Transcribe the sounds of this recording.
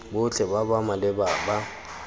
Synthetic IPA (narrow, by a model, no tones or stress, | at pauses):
bʊt͡ɬʼɛbabamalɪbaba